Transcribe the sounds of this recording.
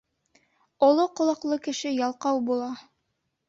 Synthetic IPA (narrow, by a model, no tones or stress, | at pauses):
ŏlˠoqŏlˠɑqlˠɤkɘ̆ʃɘjɑlˠqɑwbulˠɑ